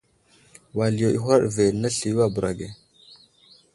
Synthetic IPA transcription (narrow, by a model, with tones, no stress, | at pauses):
wa˨li˨jo˨ʔḭ˦ɦa˦ɗve˨lna˦ɬi˨jwa˦bu˨ɾa˨ɡe˨